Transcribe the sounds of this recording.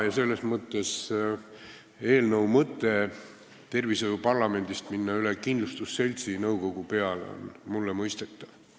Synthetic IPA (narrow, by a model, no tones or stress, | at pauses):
jɑse̞lːe̞smɤt̪ːˑe̞s | e̞ːlnɤwmɤt̪ːˑe̞ | t̪e̞rvisojupɑrlɑme̞nd̪ist̪minːɑylekind̪lust̪usːe̞lʲt̪sinɤwko̞ɡ̥upe̞ɑl̰o̰nmulːemɤjst̪e̞t̪ˑːɑv̥